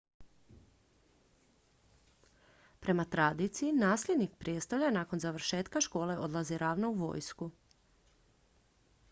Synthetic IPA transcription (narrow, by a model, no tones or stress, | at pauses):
pɾe̞mat̪ɾad̪it̪sijinaːsʎʲe̞d̪nik̚pɾjest̪oʎanaːko̞nzaʋɾ̩ʃe̞ːt̪kaʃko̞ːle̞ʔo̞d̪lˠaziɾʔaːʋnouʋo̞̰ːjsku